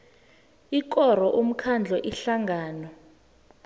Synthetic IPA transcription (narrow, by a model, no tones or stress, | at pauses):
ik̬ʼɔr̤ɔʔum̩kʰand͡ɮʱɔʔiɬaŋɡʱaːnɔ